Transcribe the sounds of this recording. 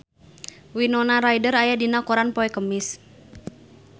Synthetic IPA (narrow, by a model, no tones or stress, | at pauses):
winɔnaɾajdəɾajadinakɔɾanpɔɛkəmis